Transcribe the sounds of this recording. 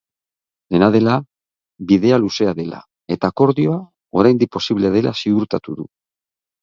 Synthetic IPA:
d̪e̞nað̞e̞la | βið̞e̞aluse̞aðe̞la̰ | e̞t̪ako̞ɾðio̞a | o̞ɾajnd̪ik̚pːo̞siβleað̞e̞la̰siɣuɾt̪at̪uðṵ

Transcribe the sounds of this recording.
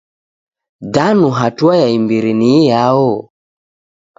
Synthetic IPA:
danuɦatuajaimbiɾinijaɔ

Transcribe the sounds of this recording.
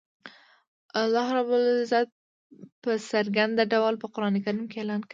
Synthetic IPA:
alːɑɦɾabʊlzat̪̚ | pəsəɾɡand̪aɖawalpəqʊɾɑnekaɾimkeelɑnk

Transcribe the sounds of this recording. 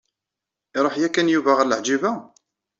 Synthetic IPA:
ɪɾˤoħjækænjuvaʁələʕd͡ʒivæ

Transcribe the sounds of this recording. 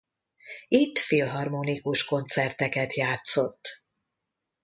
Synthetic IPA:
it̪ːfilɦɒrmonikuʃko̞nt̪sɛrt̪ɛkɛt̪jaːt̪so̞t̪ː

